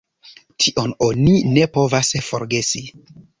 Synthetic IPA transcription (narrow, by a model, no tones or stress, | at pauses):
tʰiʔo̞no̞nine̞po̞vasfo̞̰ɾɡe̞si